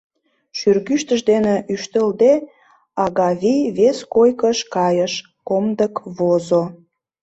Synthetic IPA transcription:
ʃyrɣyʃt̪əʒd̪eneʔyʃt̪əld̪e | ɑɣɑβijβeskojkəʃkɑjəʃ | komd̪əkβozo

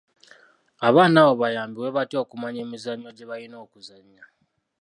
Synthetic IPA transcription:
aβaːnaːβo̞βajaːmbiwe̞βatio̞kumaɲe̞ːmizaɲːo̞ɟe̞βajino̞ːkuzaɲːa

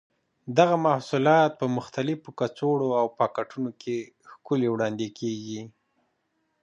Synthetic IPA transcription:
d̪aɣamahsulɑt̪̚pəmʊxt̪alɪfokat͡soɽoawpɑkaʈunokʰe | xkʊlewɽɑnd̪ekʰeɡi

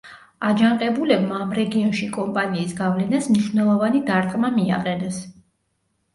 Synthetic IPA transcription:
ad͡ʒanqʼɛbulɛbmaːmɾɛɡiɔnʃikʼɔmpʼaniːsɡavlɛnasmniʃwnɛlˠɔvanid̪aɾt̪ʼqʼmamia̰qʼɛnɛs

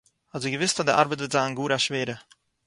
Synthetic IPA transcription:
hazuɡəvɪstadəʔa̰ɾbətvɪtz̥aːnɡuːɾaʃveːɾə

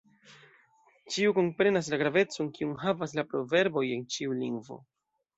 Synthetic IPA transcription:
t͡ʃiuko̞mpɾe̞nas̬laɡɾave̞t͡so̞nkiunɦavas̬lapɾo̞ve̞ɾbo̞je̞nt͡ʃiuliŋɡvo̞̰

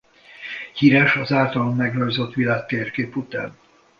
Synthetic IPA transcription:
hiɾɛʃɒzaːlt̪ɒlomːɛɡrørzot̪ʋilaːk̚t̪eːrkeːput̪a̰ːn

